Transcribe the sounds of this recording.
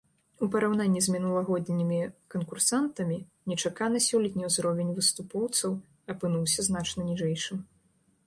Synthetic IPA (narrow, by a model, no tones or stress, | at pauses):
upɐɾawnanʲːizʲmʲinulˠɐɣɔd̪ʲnʲimʲikɐnkursant̪ɐmʲinʲɛt͡ʂakanɐsʲɔlʲit̪ʲnʲɛwzɾɔvʲenʲvɨst̪upɔwt̪sɐw | ɐpɨnuwsʲɐznat͡ʂnɐnʲiʐɛjʂɨm